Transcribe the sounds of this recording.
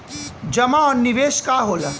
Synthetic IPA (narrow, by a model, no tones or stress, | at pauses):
d͡ʒɐmaɔːniʋeːʃkaɦoːla